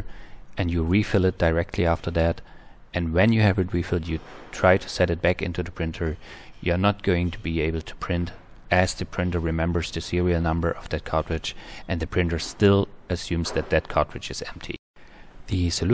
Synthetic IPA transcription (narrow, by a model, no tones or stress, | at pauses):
ɨ̃njɨɹifɪlˠɨt̚d̥aɪɹɛk̚tʰliæftʰə˞ðæɾ | ɨ̃nwɨ̃njɨɨvɨt̚ɹifɪlˠdjɨtʰɹ̥aɪtʰɨ̥sɛɾɨt̚b̥ækɪ̃ntʉðɨpʰɹ̥ɪ̃ntʰə˞jɨə˞nət̚ɡ̥oʊɪ̃ŋtʰubieɪbl̩ˠtʰə̥pʰɹ̥ɪ̃nt | ʔɨzðɨpʰɹ̥ɪ̃ntə˞ɹɨmɛ̃mbə˞zðɨsɪɹil̩ˠnʌ̃mbə˞ʔʌvðɨt̚kʰɑɹtɹɨd͡ʒʔɨ̃nðɨpʰɹ̥ɪ̃ntə˞stɪlˠɨsjʉ̃mz̥ðɨt̪̚ðɨt̚kʰɑɹtɹɨd͡ʒɨzɛ̰̃mp̚tʰḭ | ðɨsɨl